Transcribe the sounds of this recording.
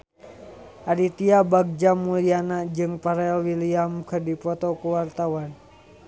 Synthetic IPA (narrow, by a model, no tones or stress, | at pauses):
ʔaɾit̪iabaɡ̚d͡ʒamulianad͡ʒɨŋpaɾɛlwiliamkɨrdipɔt̪ɔkuwart̪awan